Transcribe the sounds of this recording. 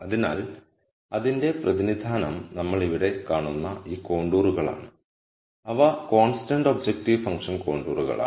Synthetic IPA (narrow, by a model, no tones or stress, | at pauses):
ɐðina̰ːl | ɐðinde̞prʔɐðinid̪ʱaːnɐmnɐmːɐɭiʋiɽe̞kaːɳunːɐiːko̞ːɳɖuːruɣɐɭa̰ːɳɨ | ɐʋɐko̞ːnstɐɳɖobd͡ʑek̚ʈiʋfɐŋkʂɐnko̞ːɳɖuːruɣɐ̰ɭa̰ː